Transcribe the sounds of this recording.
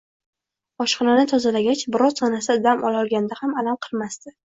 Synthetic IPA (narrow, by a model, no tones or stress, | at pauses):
ɒʃqɨlanɪt̪ʰɒzalaɡʲat͡ʃbɪɾɒzsɒnasad̪amʔɒlɒlˠɡʲand̪ahamalamqʰɨlˠmast̪ɪ